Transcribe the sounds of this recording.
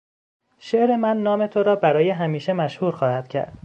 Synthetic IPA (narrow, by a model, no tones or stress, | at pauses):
ʃeʔɾe̞mænːɒːmet̪ʰoɾɒːbæɾɒːjeɦæmiːʃemæʃhuːɾxɒːhæd̪̥cʰæ̰ɾd̪̥